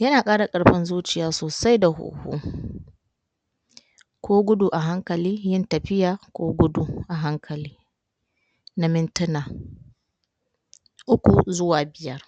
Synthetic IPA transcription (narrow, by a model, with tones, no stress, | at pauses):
jɐ˦naː˨kʼaː˦ɽa˨kʼɐ˨ɽɸɪ˦nzuː˦t͡ʃɪ˨jaː˨soː˨sa˦jda˨ɦṵː˨hṵː˦ | kʰʷoː˦ɡʷʊ˦du˨ʔa˨ɦa˦ŋkɐ˨liː˦jɪ˦ntɐ˨ɸɪ˦jaː˨kʷoː˦ɡʷʊ˦du˦ʔa˨ɦa˦ŋkʰɐ˨liː˦ | na˨mɪ˦ntʊ˦naː˨ | ʔʊ˦kʷu˨zʊ˦waː˨bɪ˨jɐ˦r